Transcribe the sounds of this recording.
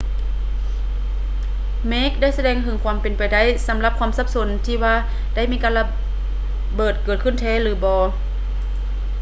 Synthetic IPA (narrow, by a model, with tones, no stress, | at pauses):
meː˦˥˨k̚da˥˨jsa˧dɛː˧ŋh̪ʰɯ˧˦ŋkʰwaː˧˥mpe˨npa˨jda˥˨jsa˩˦mla˧p̚kʰaː˧˥˨msa˧˥p̚so˧˦nt̪ʰiː˧waː˧ | da˥˩jmiː˧˥˨kaː˧˨nla˧ | bɤː˨˩t̪̚kɤː˨˩t̪̚kʰɯ˧˥˩nt̪ʰɛː˧˩lɯː˨˦bɔː˧